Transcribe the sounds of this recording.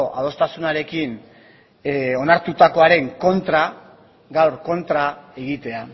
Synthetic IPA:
ʔaðo̞st̪asunaɾe̞kin | o̞naɾt̪ut̪ako̞aɾe̞ŋko̞nt̪ɾa | ɡawɾko̞nt̪ɾae̞ɣit̪e̞a

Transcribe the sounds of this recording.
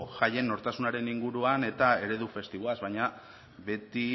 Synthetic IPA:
ʝaje̞nːo̞ɾt̪asunaɾe̞niŋɡuɾuane̞t̪ae̞ɾe̞ðufe̞st̪iβoazβajɲa | be̞t̪i

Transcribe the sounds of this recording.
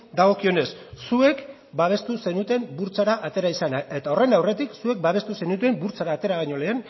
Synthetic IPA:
d̪aɣ̞o̞kio̞ne̞sːue̞k | baβ̞e̞st̪use̞nut̪e̞mbuɾt͡saɾaʔat̪e̞ɾaisanae̞t̪ao̞re̞nawre̞t̪iksue̞k̚baβe̞st̪use̞nut̪̬ue̞mbuɾt͡saɾaːt̪e̞ɾaɣaɲo̞le̞ːn

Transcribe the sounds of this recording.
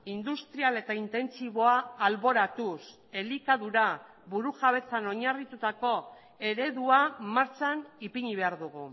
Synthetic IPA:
ind̪ust̪ɾiale̞t̪aint̪e̞nt͡siβo̞aːlβo̞ɾat̪us | e̞likaðuɾa | βuɾuʝaβ̞e̞t͡sano̞ɲarit̪ut̪ako̞ | e̞ɾe̞ðuamaɾt͡sanipiɲiβe̞aɾðuɣu

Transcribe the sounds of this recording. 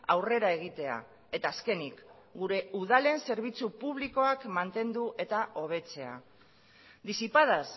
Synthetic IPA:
awre̞ɾae̞ɣ̞it̪e̞a̰ | e̞t̪aːske̞nik | ɡuɾe̞uð̞ale̞nse̞ɾβ̞it͡supuβ̞liko̞akmant̪e̞nd̪uʔe̞t̪aʔo̞β̞e̞t͡se̞a̰ | d̪isipað̞as

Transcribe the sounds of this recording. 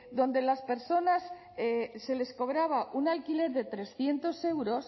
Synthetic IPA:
d̪o̞nd̪e̞laspe̞ɾso̞nas | ese̞le̞sko̞βɾaβaʔunalkile̞ɾðe̞t̪ɾe̞sθje̞nt̪o̞se̞wɾo̞s

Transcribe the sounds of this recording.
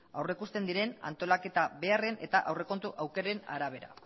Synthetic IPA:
awre̞kust̪e̞nd̪iɾe̞na̰nt̪o̞lake̞t̪aβe̞are̞ne̞̰t̪aʔawre̞ko̞nt̪uʔawke̞ɾe̞na̰ɾaβ̞e̞ɾa̰

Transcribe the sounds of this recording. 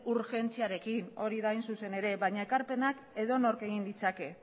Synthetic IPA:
uɾxe̞nt͡siaɾe̞kino̞ɾiðajnsuse̞ne̞ɾe̞βaɲae̞kaɾpe̞nak | e̞ðo̞no̞ɾke̞ɣind̪it͡sake̞

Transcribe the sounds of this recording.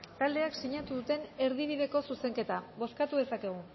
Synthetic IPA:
t̪ald̪e̞aksiɲat̪uðut̪e̞ne̞ɾð̞iβ̞iðe̞ko̞suse̞ŋke̞t̪aβo̞skat̪uðe̞sake̞ɣ̞u

